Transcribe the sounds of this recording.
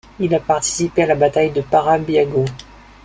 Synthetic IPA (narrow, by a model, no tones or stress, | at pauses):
ilapaʁt̪i̥sipealabat̪ajd̪əpaʁabjaɡo